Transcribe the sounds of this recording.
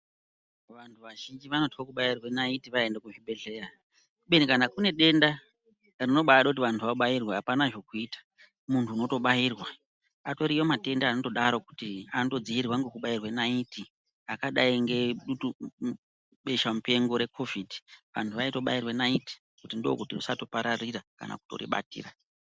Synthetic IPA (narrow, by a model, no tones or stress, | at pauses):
ʋantʰuʋaʒind͡ʒiʋano̞tiwokuɓairwenaitiʋaendekuʐiɓe̞ɮe̞ra | uɓenikanakune̞ɗe̞nda | rino̞ɓaɗokut̬iʋantʰuʋaɓajirwaɦapanaʐo̞kuiːtḁ | muntʰuːno̞to̞ɓajiːrwa | ato̞ɾiwomate̞ndaːno̞to̞ɗaɾo̞ku̥tianoto̞d͡ziirwaŋɡe̞kuɓairwenaiti | akaɗaiŋɡe̞ɗutu | ɓe̞ʃamupe̞ŋɡo̞ɾe̞kʰo̞vidʱiʋa̰ntʰuʋaito̞ɓairwenaiti̥ | kutindo̞̰kutirusatopaɾariraka̰na̰ku̥to̞̰rḭɓa̰tḭːra